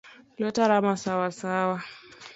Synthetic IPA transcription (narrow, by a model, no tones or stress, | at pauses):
lɔtaɾamasawasawa